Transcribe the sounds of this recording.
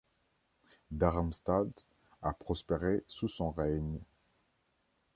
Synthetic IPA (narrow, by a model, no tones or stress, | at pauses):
d̪aʁamst̪ad̪ | apχɔspeʁesusɔ̃ʁɛɲ